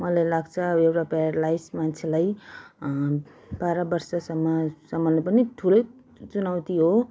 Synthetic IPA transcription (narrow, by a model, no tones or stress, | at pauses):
mʌlajlaɡt͡sʰʌewʈaperʌɽlajsmant͡sʰelaj | b̥aɾʌbʌrsʌsʌmːʌsʌmːʌlnepʌniʈʰulʌj | t͡sunawt̪iɦo